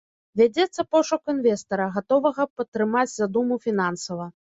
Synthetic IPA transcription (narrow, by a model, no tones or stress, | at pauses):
vʲad͡zʲɛt̪sːɐpɔʂɐkuinvʲɛst̪ɐɾɐɣat̪ɔvɐɣɐpɐt̪ːɾɨmad͡zʲzad̪umufʲinansɐvɐ